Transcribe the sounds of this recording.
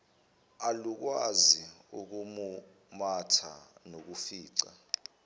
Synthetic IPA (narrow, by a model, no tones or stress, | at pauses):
aluk̬waziuk̬umu | matʰa̰nok̬ufiːǀa